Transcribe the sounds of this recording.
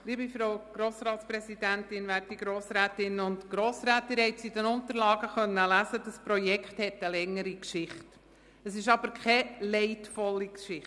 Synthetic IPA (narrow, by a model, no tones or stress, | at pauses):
liːbifɾoʊɡ̥ɾoːsɾɑːtspɾɛsidæntɪnʋæːɾtiɡ̥ɾoːsɾæːtɪnʊntɡ̥ɾoːsɾæːt̪əɾhɛɪtsidɛnʊntəɾlɑːɡəχœnːəlæsəd̥əspɾɔjɛkχthɛtəlɛŋːəɾikʃɪχt | əsɪʃɑbəɾkχɛlɛɪtfɔlːikʃɪ